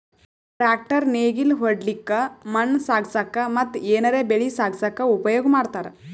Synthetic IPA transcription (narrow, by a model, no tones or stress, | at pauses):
ʈɾak̚ʈəɾneɡilɦəɽlikːamənsaɡsakːamɐt̪ːenəɾebeɭisaɡsakːaupəjoɡmaɽt̪aɾ